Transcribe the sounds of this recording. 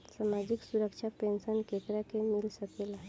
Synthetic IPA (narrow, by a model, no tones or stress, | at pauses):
samad͡ʒiksuɾəkʃʰapensənkekɾakemilsəkela